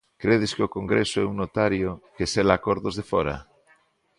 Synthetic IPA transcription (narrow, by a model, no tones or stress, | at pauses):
kɾeðɪskɪokoŋɡɾesoɛuŋnot̪aɾjokeselakoɾðozðefɔɾa̰